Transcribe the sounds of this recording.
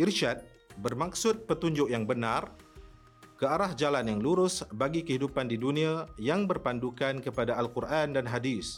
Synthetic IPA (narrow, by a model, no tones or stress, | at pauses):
ʔirʃat̪̚ | bərmaksʊt̪̚pət̪uɲd͡ʒʊk̚jaŋbənãr | kəaɾahd͡ʒalanjaŋluɾʊsbaɡikəɦidupandidunĩãjaŋbərpandukankəpadaːlkurʔandanɦadis